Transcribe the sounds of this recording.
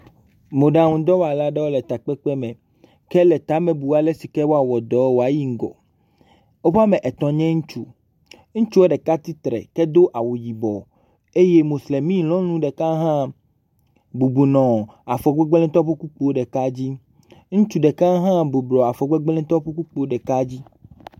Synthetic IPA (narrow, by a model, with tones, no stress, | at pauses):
mõ˨ɖa˨ŋũ˨d̪ɔ˦wa˨la˦ɖɛ˦wo˦lɛ˨t̪a˨k͡pɛ˦k͡pɛ˦mɛ̃˨ | kɛ˦lɛ˨t̪a˨˦mɛ̃˨bu˨wa˨lɛ˦si˨kɛ˦wo˦a˨wɔ˨d̪ɔ˨˦wo˨a˨ji˦ŋ̩˨ɡɔ̰˨ | wo˦ɸa˦mɛ̃˨ʔɛ˨t̪ɔ̃˨ɲɛ̃˦ŋũ˦t͡ʃu˦ | ŋũ˦t͡ʃu˦wo˦ɖɛ˨ka˦t̪i˦t̪ɾɛ̰˨kɛ˦d̪o˦ʔa˨wu˨ji˨bɔ˨ | e˦je˦mõ˨sle˨mĩ˦lɔ̃˦nũ˦ɖɛ˨kã˦ɦã˦ | bu˨bu˨nɔ̃˨ | a˨fɔ˨ɡ͡bɛ˦ɡ͡blɛ̃˦t̪ɔ˦ɸe˦ku˦k͡po˦ɖɛ˨ka˦d͡ʑi˦ | ŋũ˦t͡ʃu˦ɖɛ˨ka˦ɦã˦bu˨blɔ˨a˨fɔ˨ɡ͡bɛ˦ɡ͡blɛ̃˦t̪ɔ˦ɸe˦ku˦k͡po˨˦ɖɛ˨ka˦d͡ʑi˦